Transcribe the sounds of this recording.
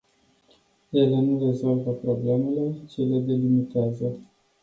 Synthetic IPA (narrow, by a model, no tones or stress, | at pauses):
jelenure̞zo̞lvəpɾo̞ble̞me̞le̞t͡ʃele̞d̪e̞limit̪eazə